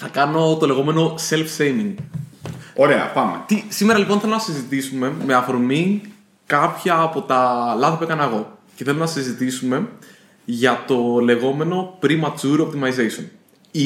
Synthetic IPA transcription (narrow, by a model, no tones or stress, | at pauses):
θɐkɐno̞t̪o̞le̞ɣo̞me̞no̞se̞lfsejmiŋɡ | oɾeɐ̰pɐmḛt̪isimeɾɐliponθelonɐsizit̪isume̞me̞ɐfoɾmi | kɐpçɐːpo̞t̪ɐlɐðipekɐnɐɣo̞ceθe̞lonɐsizit̪isume̞ | ʝɐt̪o̞le̞ɣo̞me̞no̞pɾimɐt͡suɾop̚t̪imɐjzejson | i